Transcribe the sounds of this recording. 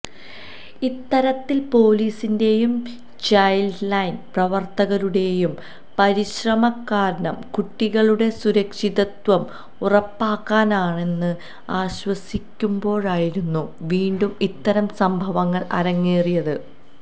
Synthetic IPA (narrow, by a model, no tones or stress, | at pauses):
it̪ːɐɾɐt̪ːilpo̞ːliːsinde̞jum | t͡ɕɐjllɐjnprɐʋɐrt̪ɐɣɐluɽe̞jum | pɐɾiɕrɐmɐkːaːɾɐɳɐmkuʈːiɣɐɭuɽe̞suɾɐkʂiðɐt̪ʋɐm | urɐpːaːkːaːnaːɳe̞nːɨ | aːɕwɐsikʲːumbo̞ːɭaːjiɾunːuʋiːɳɖumit̪ːɐɾɐmsɐmbʱɐʋɐŋːɐɭʔɐ̰ɾɐŋːeːrijɐðɨ